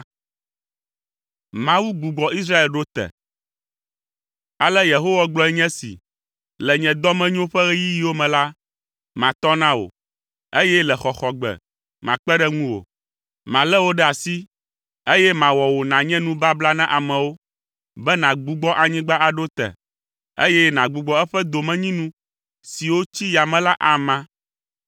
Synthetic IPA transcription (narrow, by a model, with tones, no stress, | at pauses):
mã˨wu˦ɡ͡bu˨ɡ͡bɔ˨ʔi˦s̬ɾa˦e˨lɖo˦t̪ɛ̰˨ | a˨lɛ˦je˨ɦo˦wa˦ɡ͡blɔ˦ɛ˦ɲɛ̃˦sḭ˨ | lɛ˨ɲɛ̃˨d̪ɔ˦mɛ̃˦ɲ˦õ˦ɸɛ˦ɣɛ˦ji˦ji˦wo˦mɛ̃˨la˦ | mã˨t̪ɔ˦nã˦wo̰˨ | e˦jɛ˦lɛ˨xɔ˨xɔ˨ɡ͡bɛ̰˨ | mã˨k͡pɛ˦ɖɛ˦ŋũ˦wo̰˨ | mã˨lɛ˦wo˦ɖɛ˦a˨si˦ | e˦jɛ˦mã˨wɔ˨wo˨nã˨ɲɛ̃˦nũ˦ba˦bla˦nã˦ʔa˨mɛ̃˨wo˦ | bɛ˦nã˨ɡ͡bu˦ɡ͡bɔ˦ʔa˨ɲĩ˦ɡ͡ba˦ʔa˨ɖo˦t̪ɛ̰˨ | ḛ˦jɛ˦nã˨ɡ͡bu˨ɡ͡bɔ˦ɛ˦ɸɛ˦d̪o˨mɛ̃˦˨ɲĩ˦nũ˦ | si˨wo˦t͡ɕi˦ja˨mɛ̃˨la˦ʔa˨mã˦